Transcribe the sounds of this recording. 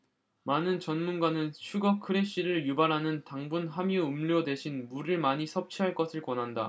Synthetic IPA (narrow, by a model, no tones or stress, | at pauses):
manɯnt͡ɕʌnmunɡanɯnɕʰuɡʌkʰɯɾe̞ɕ͈iɾɯɭjubaɾɦanɯntaŋbunɦamjoɯmʎjodwe̞ɕʰinmuɾɯɭmaɲisʰʌp̚t͡ɕʰiɦaɭk͈ʌsʰɯɭkʌnɦanda̰